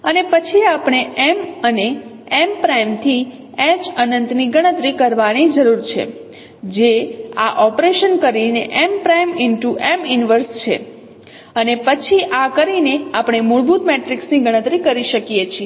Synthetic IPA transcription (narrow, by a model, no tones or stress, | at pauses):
ənepət͡ʃʰiapɳ̃eʔɛməne | ɛmpɾajmt̪ʰi | ɛt͡ʃənənt̪niɡəɽ̃ət̪ɾikəɾʋanid͡ʒəɾuɾt͡ʃʰḛ | d͡ʒeaʔɔpɾeʃənkəɾineʔɛmpɾajmɪnʈuʔɛmɪnʋəɾst͡ʃʰḛ | ənepət͡ʃʰiʔakəɾineapɳ̃emuɭbut̪meʈɾiksniɡəɽ̃ə̃t̪ɾikəɾiʃəkijet͡ʃʰie